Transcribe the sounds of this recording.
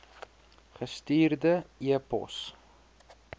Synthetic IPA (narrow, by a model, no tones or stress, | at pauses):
χəstiːrdəiəpɔ̰s